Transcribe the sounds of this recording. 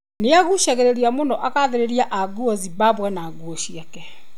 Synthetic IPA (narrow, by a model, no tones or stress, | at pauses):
neaɣuʃɛɣɛɾeɾiamonɔʔakaðeɾeɾiaʔaɡuɔzibaβwɛnaɡuɔʃiakɛ